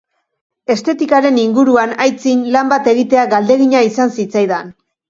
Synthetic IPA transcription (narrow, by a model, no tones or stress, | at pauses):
e̞st̪e̞t̪ikaɾe̞niŋɡuɾuanajt͡sinlambat̪e̞ɣ̞it̪e̞aɡald̪e̞ɣiɲaisansit͡sajðan